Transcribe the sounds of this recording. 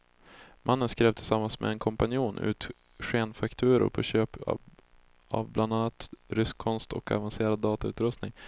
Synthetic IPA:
mʔanːənskɾeːvt̪ʰɪlsamːansmɛ̰ɛnkʰɔmpanjuːnʔʉ̟̰ːt̪ | ɧeːnfakt̪ʰʉ̟ːɾʊ̰ɾpʰɔɕøːp | a̰vblʔand̪anːat̪ɾʏskʰːɔnst̪ɔka̰vanseːɾad̪ːɑːt̪aʉ̟ːt̪ɾɵst̪nɪŋ

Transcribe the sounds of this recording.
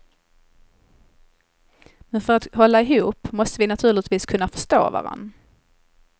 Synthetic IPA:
mɛnfœɾat̪hɔlːaɪɦuːpmɔst̪əvɪnat̪ʰʉ̟ːɭɪt̪viːskʰɵnːafœ̥ʂt̪o̰ːva̰ɾa̰nː

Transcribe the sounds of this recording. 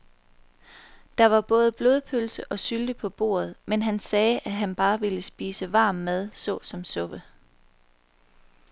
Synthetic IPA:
d̥ɑ̈ʋɑ̈b̥ɔ̽ːð̞ˠəb̥lo̝ð̞ˠpʰølsəʔɒ̽syld̥əpʰɒ̽b̥o̝̰ːɐð̞ˠmenɦænsɛːʔæɦænb̥ɑ̈ːʋe̝ləsb̥iːsəʋɑ̰̈ːmːeð̞ˠsɔ̽sɒ̽msɔ̽b̥ə

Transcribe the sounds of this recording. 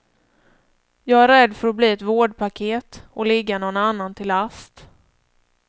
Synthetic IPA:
jɑːɡæɾɛd̪fœɾɔbliːɛt̪voːɖpʰakʰeːt̪ɔlɪɡːanɔnanːant̪ʰɪlast̪

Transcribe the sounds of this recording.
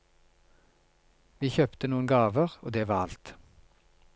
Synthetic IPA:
ʋiːçœpt̪ənuːənɡɑːʋəʁoːd̪eːʋɑːɑ̰lt̪

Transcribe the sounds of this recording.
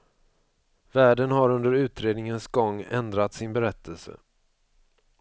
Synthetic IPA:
væːɖənɦaɾɵnd̪əɾʉ̟ːt̪ɾeːd̪nɪŋənsɡɔŋːɛ̰nd̪ɾat̪sɪnbɛɾɛt̪ʰːəlsə̰

